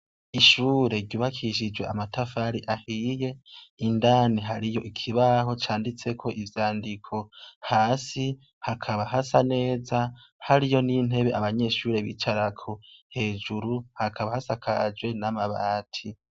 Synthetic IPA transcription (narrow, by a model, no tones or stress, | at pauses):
iʃuːɾe̞ɾɟuːβakʰiʃid͡ʒwe̞a̰matafaːɾiʔahije̞indaːniɦaɾijo̞ikʰiβaho̞t͡ʃaːndit͡se̞kʰo̞ʔivjaːndikʰo̞haːsi | hakʰaβaɦasane̞ːza | haɾijo̞nin̥e̞βe̞ʔaβaɲe̞ːʃuːɾe̞βḭt͡ʃaɾakʰuhe̞ːd͡ʒuɾuhakʰaβahasakʰad͡ʒwe̞namaβaːtʰi